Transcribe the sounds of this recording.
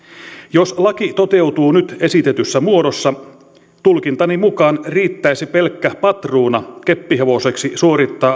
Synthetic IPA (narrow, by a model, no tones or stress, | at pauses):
joslɑkit̪o̞t̪e̞uwt̪uːnyt̪e̞sit̪et̪ysːæmuo̞dosːɑ | t̪ulkint̪ɑnimukɑːnriːt̪ːæjsipe̞lkːæpɑt̪ruːnɑke̞pːiɦeʋo̞se̞ksisuo̞ɾit̪ːɑː